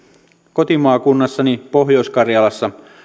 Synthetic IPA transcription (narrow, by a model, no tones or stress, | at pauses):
ko̞t̪imɑːkunːɑsːɑnipo̞ɦjoskɑrjɑlɑsːɑ